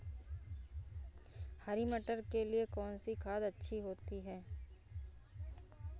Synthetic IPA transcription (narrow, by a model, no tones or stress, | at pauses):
haːɾimɐʈəɾkeliekɔːnsikʰaːd̪ɐtːʃʰiɦoːt̪iɦɛː